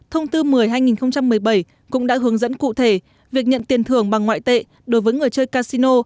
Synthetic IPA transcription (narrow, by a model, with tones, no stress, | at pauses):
t̪ʰə˧wŋ͡mt̪ɨ˧mɨ˨˩əjɦaː˧jŋi˨˩nxə˧wŋ͡mt͡ɕa˧mːɨ˨˩əjɓə˧˩j | kʊ̰˧˥ŋ͡mɗa̰ː˧˥ɦɨ˨˦əŋzə̰˧˥nkṵ˧˨t̪ʰe˧˩ | vi˨˩ək̚ɲə̰˧˨nt̪i˨˩ənt̪ʰɨ˨˧˩əŋɓa˨˩ŋːwa̰ː˧˨jt̪ḛ˧˨ | ɗo˨˦jvəː˨˦jŋɨ˨˩əjt͡ɕəː˧jkaː˧si˧no˧